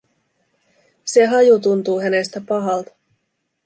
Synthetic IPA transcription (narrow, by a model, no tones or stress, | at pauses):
se̞ɦɑjut̪unt̪uːɦæne̞st̪æpɑɦɑlt̪ɑ̥